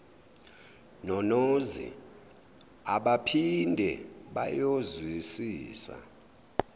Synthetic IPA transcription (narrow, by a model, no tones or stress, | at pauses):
nɔnozḭ | aɓapʰindʱɛɓajozwisiːsa̰